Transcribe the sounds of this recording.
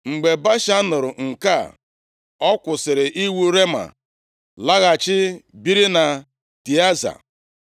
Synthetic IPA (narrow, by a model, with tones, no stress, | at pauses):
ŋ͡m̩˨ɡ͡be˨ba˦ʃa˦nʊ˨ɾʊ˨ŋ̩˨ka˦˨ | ɔ˦kʷʊ˨sɪ˨ɾɪ˨ʔi˦wu˦ɾe˦ma̰˨ | la˦ɣa˨t͡ʃɪ˦bi˦ɾi˦na˨ | ti˨a˦za̰˨